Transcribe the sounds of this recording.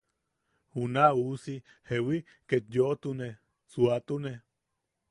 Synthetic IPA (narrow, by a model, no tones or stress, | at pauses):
hunausi | hewi | ket̪joʔt̪une | suat̪une